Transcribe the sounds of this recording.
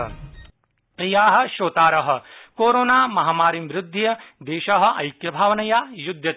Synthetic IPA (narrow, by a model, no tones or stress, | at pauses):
pɾijaːɦɐ̆ʃoːt̪aːɾɐɦɐ̆koːɾoːnaːmɐɦaːmaːɾimʋɾɪd̪ʱːijɐd̪eːʃɐɦɐ̆ʔɐ̰jkjɐbʱaːʋɐnɐjaːjud̪ʱjɐ